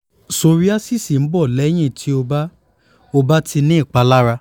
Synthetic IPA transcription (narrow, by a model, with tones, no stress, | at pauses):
so˧ɾi˦a˦si˦˨si˨m̩˨˦bɔ˦˨lɛ˨˦j̃ĩ˦˨tʰi˨˦o˧ba˦ | o˧ba˦tʰi˧nĩ˦i˦˨k͡pa˨˧la˦ɾa˧